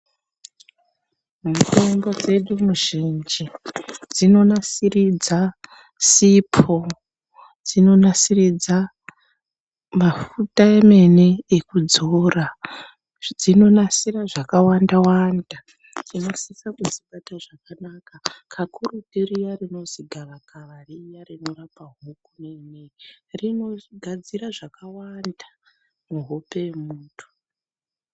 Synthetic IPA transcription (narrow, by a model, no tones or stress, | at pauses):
muto̞mbo̞d͡ze̞ɗumuʒind͡ʒid͡zino̞nasirid͡za | sipʰo̞ | d͡zino̞nasirid͡za | mafutaeme̞neːkud͡zora | d͡zino̞nasiraʐakawandawanda | tino̞sisakud͡zipataʐakanakakʰakʰuɾutiɾijarino̞ziɡʱaʋakaʋarijarino̞rapaɦukunenerino̞ɡʱad͡ziraʐakawanda | muɦope̞emuːtʰu̥